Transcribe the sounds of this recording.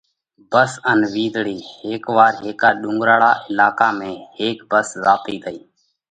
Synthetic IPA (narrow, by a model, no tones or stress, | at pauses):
bəsənʋiːd̪ʱɽiːheːkʋaːɾɦeːkaːɗʊ̃ːŋɡɾaːɽaːʔɪlaːkaːmẽːheːkbəszaːt̪iːt̪ʰəiː